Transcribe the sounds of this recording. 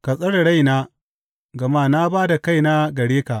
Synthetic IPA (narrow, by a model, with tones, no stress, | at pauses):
kɐ˨sʼɐ˦ɽɽa˦˨jnaː˦ | ɡɐ˨maː˦˨na˦baː˦da˨ka˦˨jna˦ɡɐ˨ɽeː˦ka˨ʔ